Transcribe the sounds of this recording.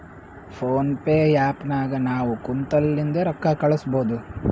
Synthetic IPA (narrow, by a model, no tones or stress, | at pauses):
pʰoːnpeːjaːpnaːɡɐnaːʋukunt̪ɐlːind̪ɐɾɐkːɐkɐɭusbo̞ːd̪u